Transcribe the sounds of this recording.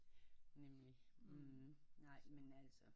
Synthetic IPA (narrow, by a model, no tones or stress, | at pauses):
nemli | nɑ̈ɪ̰menælsɒ